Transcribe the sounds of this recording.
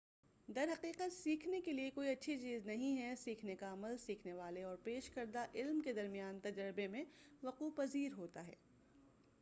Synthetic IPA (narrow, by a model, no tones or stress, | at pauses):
d̪ɐɾɦɐqiːqət̪siːkʰnekeliekoːiɐtːʃʰit͡ʃiːznɐɦĩɦɛsiːkʰnekaɐməlsiːkʰneʋaːleɔːɾpeːʃkɐɾd̪aʔɪlmked̪ɐɾmijaːnt̪ɐd͡ʒəɾɪbemẽʋɐquːpɐziːɾɦoːt̪aɦɛ̰ː